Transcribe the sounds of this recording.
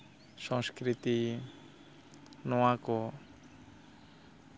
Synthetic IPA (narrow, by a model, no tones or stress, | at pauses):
sɔ̃ŋskɾit̪i | nɔwakɔ